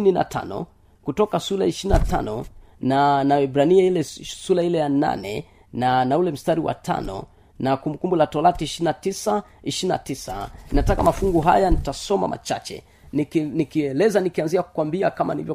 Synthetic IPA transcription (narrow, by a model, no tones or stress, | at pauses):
nina̰tʰa̰nɔ̰ | kutɔkasulaiʃiɾinata̰nɔ | nanaɛbɾaniailɛsulailɛjana̰nɛ | nanaulɛm̩staɾiwa̰tʰa̰nɔ̰ | nakumbukumbulatɔlatiiʃiɾinatisa | iʃiina̰tisaninatakamafuŋɡuɦa̰janitasɔma̰ma̰t͡ʃa̰t͡ʃɛ̰ | inikiɛlɛzanikianziaku̥kwambiakama̰nḭvjɔ